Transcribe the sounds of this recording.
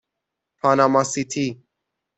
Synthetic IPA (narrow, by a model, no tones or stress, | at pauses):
pʰanamasit̪ʰi